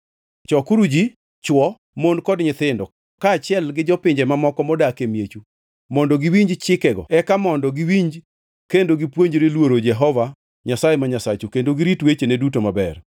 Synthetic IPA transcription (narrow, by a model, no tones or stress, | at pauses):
t͡ʃɔkuɾud͡ʒi | t͡ʃwɔ | monkɔdɲɪt̪ɪndɔ | kaːt͡ʃɪɛlɡɪd͡ʒɔpɪɲd͡ʒemamɔkɔmɔdakemjet͡ʃu | mɔndɔɡiwiɲd͡ʒt͡ʃɪkɛɡɔ̰ʔɛkamɔndɔɡiwiɲd͡ʒ | kendoɡɪpwoɲd͡ʒɾelwoɾod͡ʒɛɦɔva | ɲasajemaɲasat͡ʃokendoɡiɾitwet͡ʃenedutomabɛr